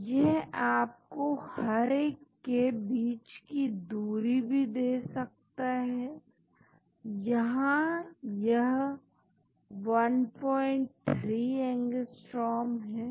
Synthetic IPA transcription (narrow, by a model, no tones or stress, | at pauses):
jɛɦaːp̚kohɐɾeːkːebiːt͡ʃkid̪uːɾibʱid̪eːsɐk̚t̪aɦɛː | jɐɦãjɐɦ | ʋɐnpɔːɪ̃ɳʈ̚t̪ʰɾiːɛ̃ŋɡəsʈɾɔːmɦɛː